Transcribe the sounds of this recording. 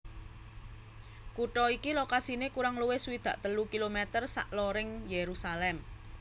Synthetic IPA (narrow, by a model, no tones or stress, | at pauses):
kuʈɔikilokasinekuɾaŋluwehsuwid̪̥ä̤ʔt̪əlukilomɛt̪ərsa̰ʔloɾɪŋjeɾusalɛm